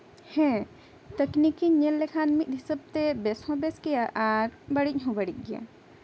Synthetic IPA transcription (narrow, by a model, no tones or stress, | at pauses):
hɛ̃ | t̪əknikiɲelːekʰaːnmikɦisəb̚t̪ebeshɔ̃beskijaʔaɾbəɽiɦũbəɽik̚ɡia̰